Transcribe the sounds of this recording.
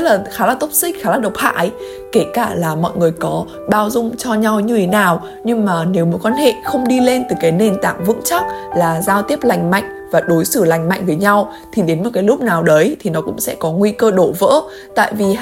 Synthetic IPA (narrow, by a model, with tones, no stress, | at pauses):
laː˨˩xaː˨˦laː˨˩t̪o˦˥t̚sï˦˥k̟̚xaː˨˦laː˨˩ɗə˨˩wk͡p̚ha̰ː˧˥˨j | ke˧˩kaː˧˩laː˨˩mɔ̰˧˨jŋɨ˨˩əjkɔ˨˦ | ɓaː˧˩wzʊ˧ŋ͡mt͡ɕɔ˧ɲa˧wɲɨ˧t̪ʰe˨˦naː˨˩w | ɲɨ˧ŋmaː˨˩ne˨˦wmo˨˦t̚kwaː˧nhḛ˧˨xə˧wŋ͡mɗi˧le˧nt̪ɨ˨˩kaː˨˦jne˨˩nt̪a̰ː˧˨ŋvɨ̰˧˥ŋt͡ɕa˦˥k̚laː˨˩zaː˧wt̪i˦˥əp̚la˨˩jŋ̟ma̰˧˨jŋ̟vaː˨˩ɗo˨˦jsɨ˧˩la˨˩jŋ̟ma̰˧˨jŋ̟vəː˨˦jɲa˧w | t̪ʰi˨˩ɗe˨˦nmo˨˩t̚kaː˨˦jlʊ˦˥k͡p̚naː˨˩wɗə˨˦jt̪ʰi˨˩nɔ˨˦kʊ̰˧˥ŋ͡msɛ̰˧˥kɔ˨˦ŋwi˧kəː˧ɗo˧˩və̰ː˧˥ | t̪a̰ː˧˨jvi˨˩